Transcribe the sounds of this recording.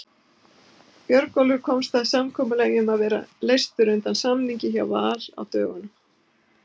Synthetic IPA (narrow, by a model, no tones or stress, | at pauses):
pjœɾkɔlʏɾ̥kʰɔmst̪aðsamkʰɔːmʏlɛjʏmaðvɛːɾa̰lejst̪ʏɾʏnt̪ansamniɲcɪçawvaːla̰wt̪œːɣʏnʏ